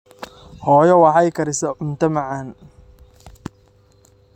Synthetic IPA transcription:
hɔːjɔwɑħɑjkʰɐɾɪsɔʊmt̪ʰɐmɑʕan

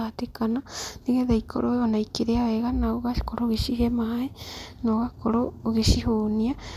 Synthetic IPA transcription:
atekananiɣeðaikʰo̰ɾoonaikeɾeaweɣanaoɣaʃkoɾoɣeʃiɦemahaenoɣakoɾoɣeʃiɦoːnia

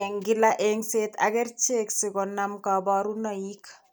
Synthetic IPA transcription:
eŋɡɪlaʔeŋseːt̪a̰kɛrt͡ʃeksɪkɔnamkabɔɾunɔik

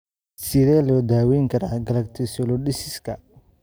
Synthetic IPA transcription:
sɪɾɛːlɔːd̪aːwɛːŋkʰɐɾaːɡɐlɐɡ̚t̪ʰɪsɔlɔɗɪsɪskʰɐ

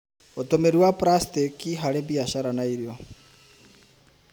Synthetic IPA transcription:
otomeɾiwapɾastekiɦaɾebiaʃaɾanaiɾjɔ

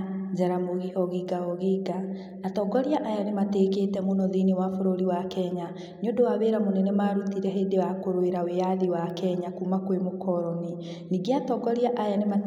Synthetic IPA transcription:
d͡ʑaɾamoɣihɔɣiɡaɔɣiɡa | natɔɡɔɾiaʔajanemateːkeːtɛmonɔðinewafoɾoɾiwakɛɲa | ɲodowaβeɾamonɛnɛmaɾutiɾɛɦeːdewakoɾweɾawejaðiwakɛɲakumakwemokʰɔɾɔni | niɡeatɔɡɔɾiaʔajanema

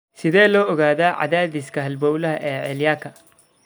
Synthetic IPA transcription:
sɪðɛːlɔːɔɣaːðaːʕa̰ðaːðɪskʰɐɦɐlbɔːwlɐɦɐʔɛːʕɛljaːkʰɐ

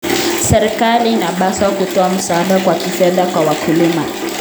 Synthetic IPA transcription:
sɛɾikalinaɓasakutɔam̩saːɗakwakifɛðakwawakʰulima

